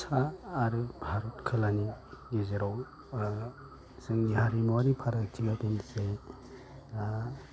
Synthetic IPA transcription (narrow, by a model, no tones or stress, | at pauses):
saːɾɯbʱaɾɔtkʰɯlaniɡezeɾaw | sɯŋiɦaɾimoaɾipʰaɾatʰiɡatense